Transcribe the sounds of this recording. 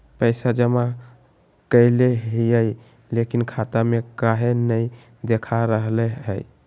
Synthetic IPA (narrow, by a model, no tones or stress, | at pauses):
pəɪsad͡ʒəma | kəɪleɦijəj | lekinkʰat̪amekaɦenəj | d̪ekʰaɾəɦleɦəj